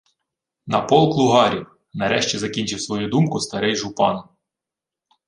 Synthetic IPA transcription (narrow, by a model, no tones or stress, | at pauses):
nɐpɔlˠklˠʊɦɑɾʲiw | nɐɾɛʃt͡ʃʲizɐkʲinʲt͡ʃɪwsʋɔjud̪umkʊst̪ɐɾɛjʒʊpɑ̰n